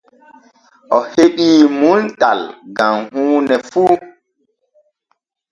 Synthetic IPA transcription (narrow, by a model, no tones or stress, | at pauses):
ʔɔheɗiːmunta̰lɡamhuːnɛfu